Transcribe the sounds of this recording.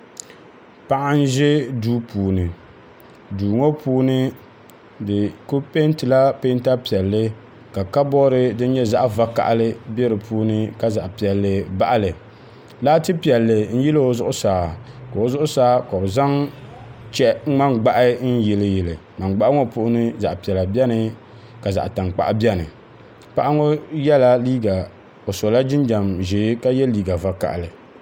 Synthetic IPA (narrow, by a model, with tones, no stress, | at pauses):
pa˦ʔa˦n̩˦ʒɛ˦duː˦puː˨nɨ˨ | duː˨ŋo˦pʰuː˦nɨ˦ | dɨ˨ko˦pe˦n˦tɨ˨la˦pe˦n˦ta˦pi˨ɛ˨lːɨ˦ | ka˨ka˦bɔ˦ɾɨ˦dɨ˦n˦ɲɛ˦za˦ʔva˦ka̰˨ʔa˦lɨ˦bɛ˦ɾɨ˨pʰuː˦nɨ˦ka˦za˨ʔpi˨ɛ˨lːɨ˨ba̰˦ʔa˦lɨ˨ | laː˦tɨ˦pi˨ɛ˨lːɨ˨n̩˦ji˦lɨ˦o˦zʊ˦ʔʊ˦saː˨ka˨o˨zʊ˦ʔʊ˦saː˦ka˨o˨za˦ŋ | t͡ʃɛ˦ŋ͡ma˦ŋɡ͡ba˦ʔɪ˦n̩˦jɪ˨lɨ˨jɪ˨lɨ˨ma˨ŋɡ͡ba˦ʔa˦ŋɔ˦pʊ˦ʔʊ˦nɨ˦za̰˨ʔpi˨ɛ˨la˨bi˦ɛ˦nɨ˨ | ka˨za̰˨ʔta˨ŋk͡pa̰˨ʔbɛ˦nɨ̰˨ | pa˦ʔa˦ŋɔ˦jɛ˦la˦liː˦ɡa˨ | o˨sɔ˨la˦d͡ʒɪ˦n˦d͡ʒa˨mʒe˨˦ka˦jɛ˦liː˦ɡa˨va˨ka̰˨ʔlɨ˨